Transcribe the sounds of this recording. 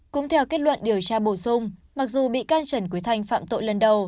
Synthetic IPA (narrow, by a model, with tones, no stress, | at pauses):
kʊ̰˧˥ŋ͡mt̪ʰɛ˧wke˦˥t̚lwə̰˧˨nɗi˨˩əwt͡ɕaː˧ɓo˧˩sʊ˧ŋ͡mma˨˩k̚zu˨˩ɓḭ˧˨kaː˧nt͡ɕə˨˧˩nku˨˦əjt̪ʰa˧jŋ̟fa̰ː˧˨mt̪o̰˧˨jlə˨˩nɗə˨˩w